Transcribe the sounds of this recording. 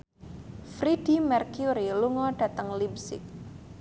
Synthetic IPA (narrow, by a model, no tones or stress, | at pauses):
fɾidimɛrkjuɾiluŋɔɖ̥a̤t̪əŋlib̚sɪ̰k̚